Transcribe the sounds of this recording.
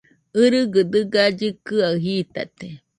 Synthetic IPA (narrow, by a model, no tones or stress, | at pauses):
ɨɾɨɡɨd̪ɨɡaɟɨkɨaɦit̪a̰t̪e